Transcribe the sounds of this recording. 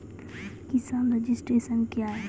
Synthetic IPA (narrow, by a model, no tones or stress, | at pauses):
kɪsãːnɾed͡ʒɪsʈɾeːsənkjaːɦe